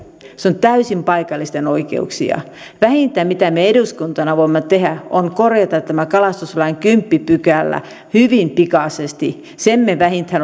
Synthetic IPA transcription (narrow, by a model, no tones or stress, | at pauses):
sont̪æysimpɑikɑlːist̪enoikḛṵksḭɑ̰ | ʋæhint̪ːˑæmit̪æmeeɾuskunt̪ɑnɑʋoimːɑt̪ehæoŋkorjɑt̪ɑt̪tːæmækɑlɑst̪uslɑiŋkympːipykælːæ̰ | hyʋimpikɑˑsest̪i | semːeʋæhint̪hæn